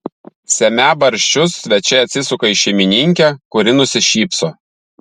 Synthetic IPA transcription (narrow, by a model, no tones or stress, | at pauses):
sʲɛmʲæbɐɾʲʃʲt͡ʃʲʊsːʲʋʲɛt͡ʃʲɛɐt̪ʲsʲɪsʊkɐɪʃʲɛɪmʲɪnʲɪŋʲkʲɛkʊɾʲɪnʊsʲɪʃʲiːpsoː